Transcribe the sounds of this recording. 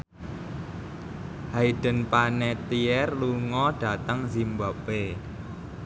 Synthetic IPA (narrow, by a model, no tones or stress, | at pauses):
haiɖ̥ə̤npanɛt̪iɛrluŋɔɖ̥a̤t̪əŋzimbabe